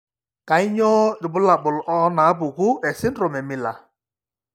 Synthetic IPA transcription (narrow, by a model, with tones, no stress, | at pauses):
ka˨i˦ɲɔ˦ɾʊ˨bʊ˦la˨k͡pʊ˨lʔɔ˦na˨˦bu˨ɡu˦e˨sɪ˦n̩˦ɾo˨me˨mi˦la̰˨